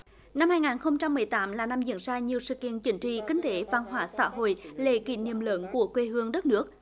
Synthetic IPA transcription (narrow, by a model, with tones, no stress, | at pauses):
na˧mhaː˧jŋaː˨˩nxə˧wŋ͡mt͡ɕa˧mːɨ˨˩əjt̪aː˨˦mlaː˨˩na˧mzḭ˧˥ənzaː˧ɲi˨˩əwsɨ̰˧˨kḭ˧˨ənt͡ɕï˨˦ŋ̟t͡ɕḭ˧˨kï˨˦ŋ̟t̪e˨˦va˧nhwaː˧˩sa̰ː˧˥ɦo̰˧˨jlḛ˧˨kḭ˧˨nḭ˨˧˩əmləː˨˦nku˧˩əkwe˧ɦɨ˧əŋɗə˦˥t̚nɨ˦˥ək̚